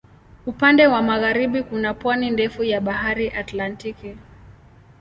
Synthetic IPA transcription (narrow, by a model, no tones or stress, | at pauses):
upandɛwamaɣaɾiɓikunapwanindɛfujaɓahaɾiʔatlantiki